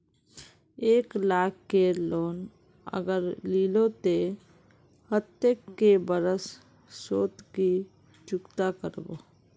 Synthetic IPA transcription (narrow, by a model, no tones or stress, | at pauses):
eːklaːkːeloːn | ə̰ɡəɾlilot̪e | hət̪ːekːebəɾəs | soːt̪ki | t͡ʃʊkt̪akəɾbo̰